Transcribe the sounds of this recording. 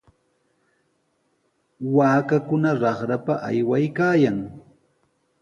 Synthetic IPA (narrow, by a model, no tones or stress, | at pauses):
waːkakʊnaɾɑχɾapaʔa̰jwajkaːjaŋ